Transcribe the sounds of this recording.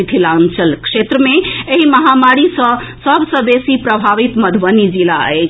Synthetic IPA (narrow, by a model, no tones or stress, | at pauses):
it̪ʰilant͡ʃəlkʂet̪ɾəmeeɦiməɦamaɾisə̃səbʱsə̃besipɾəbʱaʋit̪məd̪ʱʋənid͡ʒilaə̰t͡ʃʰ